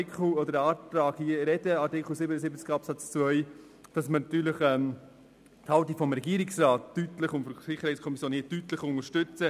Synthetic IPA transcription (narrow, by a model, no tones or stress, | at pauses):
ɪkʰl̩ɔd̪əɾɑːtɾɑːɡ̥hiːəɾɛdəɑɾtɪkʰl̩sɪbənəsɪbət͡skɑpsɑt͡st͡svœʏ | d̥ɑsmənɑt̪yːɾləχɛm | thɑltifɔmɾɛɡiːəɾɪksɾaːtːytləχʊntfɔsɪχəɾhɛɪt͡sskʰɔmisjoːnhiːtytləχʊŋəɾʃtʏt͡sə